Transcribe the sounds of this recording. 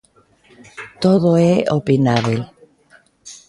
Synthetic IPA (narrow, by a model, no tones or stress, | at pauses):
t̪oðoeʔopinaβel